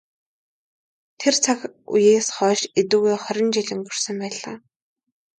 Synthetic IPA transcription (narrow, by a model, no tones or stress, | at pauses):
t̪ʰert͡sʰakṵjeːsχɔːʃet̪uːɣeːχɔɾʲɪ̆nt͡ɕiɮʲɪ̆ŋɡɵr̥sə̆mpæːɮaː